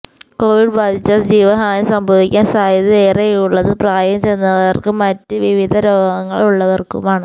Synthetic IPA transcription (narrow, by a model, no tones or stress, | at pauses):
ko̞ːʋiɖbaːd̪ʱit͡ɕːaːld͡ʑiːʋɐɦaːnɐsɐmbʱɐʋikʲːaːnsaːjɐðieːreuɭːɐðɨpraːjɐmt͡ɕe̞jnːɐʋɐrkɨmɐtːɨʋiʋid̪ʱɐɾoːɡɐŋːɐ̰ɭuɭːɐʋɐrkṵmaːɳɨ